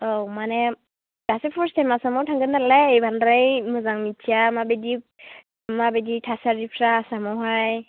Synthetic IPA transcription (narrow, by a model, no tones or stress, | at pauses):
owmane | ɡ̥asepʰɔɾstajmasamawtʰaŋɡɯnːalabʱanɾajmɯzaŋmitʰiamabedi | mabeditʰasaɾipʰɾaːsamawɦaj